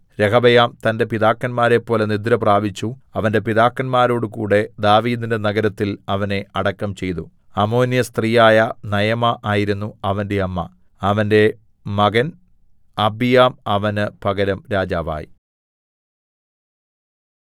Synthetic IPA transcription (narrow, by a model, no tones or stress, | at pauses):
ɾe̞kʰɐbɐjaːmt̪ɐnde̞piðaːkːɐnmaːɾe̞pːo̞ːle̞nid̪ɾɐpraːbit͡ɕːuɐʋɐnde̞piðaːkːɐnmaːɾo̞ːɽɨkuːɽe̞d̪aːʋiːd̪inde̞nɐɡɐɾɐt̪ːilɐʋɐne̞ɐɽɐkːɐmt͡ɕe̞jt̪u | ɐmo̞ːnjɐst̪riːjaːjɐnɐjɐmɐʔaːjiɾunːuɐʋɐnde̞ɐmːɐ̰ | ɐʋɐnde̞ | mɐɡɐn | ɐbijaːmɐʋɐnɨpɐɡɐɾɐmɾaːd͡ʑaːʋa̰ːjḭ